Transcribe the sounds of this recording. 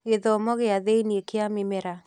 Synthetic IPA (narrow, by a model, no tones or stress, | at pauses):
ɣeðɔmɔɣeaðeiniekeamɪmɛɾa